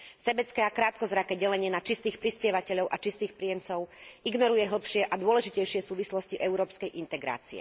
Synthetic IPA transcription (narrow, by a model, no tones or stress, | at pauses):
sɛbɛt͡skɛːakɾaːt̪̚kɔzɾakɛːɟɛlɛɲɪɛnat͡ʃist̪iːxpɾispɪjɛʋacɛʎɔʊʔat͡ʃist̪iːxpɾijɛmt͡sɔʊiɡnɔɾujɛɦl̩pʃɪɛʔad̪ʊɔlɛʒicɛjʃɪɛsuːʋislɔsciʔɛʊɾɔːpskɛjʔint̪ɛɡɾa̰ːt͡siɛ̰